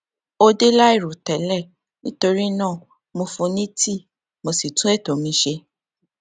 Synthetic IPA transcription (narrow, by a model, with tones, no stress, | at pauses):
o˧de˦la˦i˦˨ɾu˨tɛ˨˦lɛ˦˨ | nĩ˦to˧ɾi˦nãː˦˨ | mo˧fõ˧nĩ˦ti˦˨ | mo˧si˨tũ˦ɛ˦˨to˨˦mĩ˧˦ʃe˧